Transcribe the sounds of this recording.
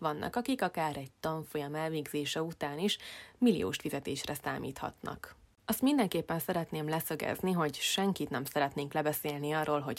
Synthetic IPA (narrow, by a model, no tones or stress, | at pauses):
vɒnːʔɒ̰kɒkikɒkaːɾɛɟt̪ɒɱfo̞jɒmɛlveːɡz̥eːʃɛut̪aːniʃmilḭo̰ːʃt̪fizɛt̪eːʃrɛsa̰ːmḭːt̪hɒ̰t̪nɒ̰k | ɒst̪mind̪ɛŋkeːpːɛnsɛɾɛt̪neːmlɛsø̞ɡɛ̰zniɦo̞ɟʃɛŋkit̪nɛmsɛɾɛt̪neːŋklɛbɛseːlniɒrːoːlɦo̞ɟ